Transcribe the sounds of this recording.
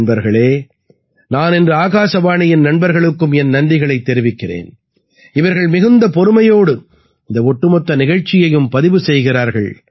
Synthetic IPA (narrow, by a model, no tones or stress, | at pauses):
nbɐɾɣɐɭeː | naːnɛndrɯaːɣaːsɐʋaːɳɪjɪnnɐɳbɐɾɣɐɭɯkːɯmɛnnɐɳɖɪɣɐɭɐɪt̪ːɛɾɪʋɪkːɪrḛːn | ɪʋɐɾɣɐɭmɪɣɯnd̪ɐpɔɾɯmɐjoːɽɯ | ɪnd̪ɐɔʈːɯmɔt̪ːɐnɪɣɐɻt͡ʃːɪjɐjɯmpɐðɪʋɯsɛjɣɪraːɾɣɐɭ